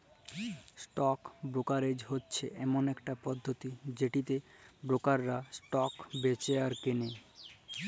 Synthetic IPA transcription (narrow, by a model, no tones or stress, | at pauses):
sʈɔkbɾokaɾed͡ʑɦotːɕʰeʔɛmonɛkʈapɔd̪ʱːot̪id͡ʑeʈit̪ebɾokaɾːasʈɔkbet͡ɕeaɾkene